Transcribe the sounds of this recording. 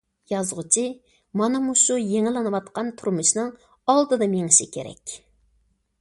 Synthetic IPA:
jɑzʁʊt͡ʃʰi | mɑnɑmuʃujeŋɪlˠɨnɨwɑt̪̚qɑnt̪ʰuɾmuʃnɨŋ | ɑlˠd̪ɨd̪ɑmeŋɪʃɪkʲʰḛɾɛ̰kʲ

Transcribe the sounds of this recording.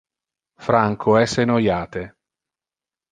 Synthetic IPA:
fɾaŋkʰoɛsenojaːt̪e

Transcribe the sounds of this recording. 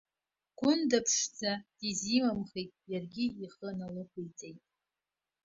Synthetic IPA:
ɡ̥ʷʊndapʰʂd͡zad̥izimamχejtʼjarɡʲiiχənalɨkʷʰojt͡sʼejtʼ

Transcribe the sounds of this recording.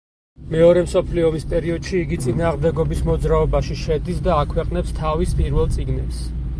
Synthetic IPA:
mɛɔɾɛmsɔpʰliɔmispʼɛɾiɔd̪̥ʃiːɡit̪sʼinaːʁmd̪ɛɡɔbismɔd̪zɾaɔbaʃiʃɛd̪isd̪aːkʰwɛqʼnɛpst̪ʰavispʼiɾvɛlˠt̪sʼiɡnɛps

